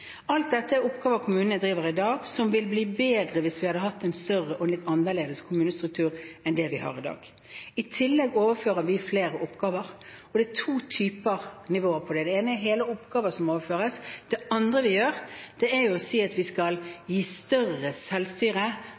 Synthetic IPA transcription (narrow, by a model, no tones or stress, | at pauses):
ɑlt̪̚d̪ɛt̪ːəæɾʊpɡɑːʋəkʰʊmʉːnənəd̪ɾiːʋəɾɪd̪ɑːɡsɔmʋɪlbliːbeːd̪ɾəʋɪsʋɪhɑd̪əɦɑt̪ːɛɪnst̪œrəʔɔɛnlɪt̪ːɑnːəleːd̪əskʰʊmʉːnəst̪ɾʉk̚t̪ʰʉːɾɛnd̪ɛʋɪhɑ̰ːʁɪd̪ɑ̰ːɡ | ɪt̪ʰɪlːɛɡoːʋəføːɾəɾʋɪfleːɾəʊpɡɑːʋəɾɔd̪ɛæt̪ʰuːt̪ʰyːpəʁnɪʋoːəpʰɔd̪ɛd̪ɛeːnəɛɾɦeːləʊpɡ̥ɑːʋəsɔmoːʋəføːɾəsd̪̥ɛɑnd̪ʁəʋɪjøːɾd̪̥ɛɛɾjʊɔsiːɑt̪ʋɪskɑljiːst̪œrəsɛlst̪yːɾə